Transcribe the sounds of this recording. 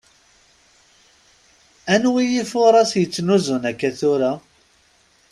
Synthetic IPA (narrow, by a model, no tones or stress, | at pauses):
ænwijifʊɾˤɑsjət͡sːnuzunækːæθʊɾa